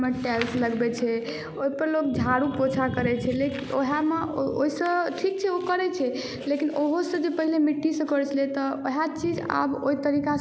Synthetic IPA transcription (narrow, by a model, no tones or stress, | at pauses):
meʈɛlsləɡbɛt͡ʃʰɛ | oipəɾlok̚d͡ʒʱaɽupot͡ʃʰakəɾɛt͡ʃʰɛlekinʔoɦameoisə̃ʈʰik̚t͡ʃʰɛokəɾɛt͡ʃʰɛ | lekinoɦosə̃d͡ʒepəɦilemiʈːisə̃kəɾt͡ʃʰlet̪ɔoɦat͡ʃid͡ʒa̰bo̰it̪əɾika